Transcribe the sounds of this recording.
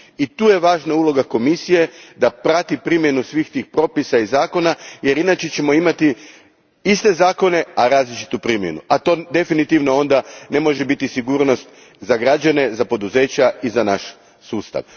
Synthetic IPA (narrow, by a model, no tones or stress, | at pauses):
it̪uːje̞ʋaːʒnaulˠo̞ɡako̞misije̞d̪apɾat̪ipɾimje̞nusʋiːxt̪iːxpɾo̞pisaizaːko̞naje̞ɾinat͡ʃe̞t͡ɕe̞mo̞imat̪i | ist̪e̞zaːko̞ne̞aɾaːzlit͡ʃi̥t̪upɾimje̞̰nṵat̪o̞ːd̪e̞finit̪iʋno̞o̞nd̪ane̞mo̞ʒebit̪isiɡuːɾno̞st̪ | zaɡɾad͡ʒane̞zapo̞d̪uze̞ːt͡ɕaizanaʃ | suːst̪a̰ʋ